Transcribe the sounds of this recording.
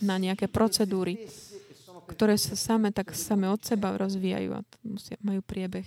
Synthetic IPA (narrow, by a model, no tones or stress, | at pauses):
naɲɛakɛːpɾɔt͡sɛd̪uːɾi | kt̪ɔɾɛːsasamɛt̪aksamɛɔt̪sɛbaɾʔɔzʋiːja̰jṵːa̰musɪamajuːpɾɪɛbɛx